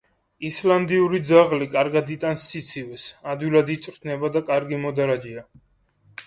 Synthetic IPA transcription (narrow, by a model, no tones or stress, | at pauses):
island̪iuɾid̪zaʁlikʼaɾɡad̪it̪ʼansːit̪sʰivɛsad̪wilad̪it̪sʼɾt̪ʰnɛbad̪akʼaɾɡimɔd̪aɾad͡ʒia